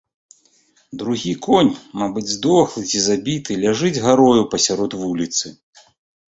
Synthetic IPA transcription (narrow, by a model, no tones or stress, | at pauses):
d̪ɾuɣʲikɔnʲmabɨd͡zʲzd̪ɔxlˠɨt͡sʲizabʲit̪ɨlʲaʐɨd͡zʲɣaɾɔjupɐsʲaɾɔt̪vulʲit̪sɨ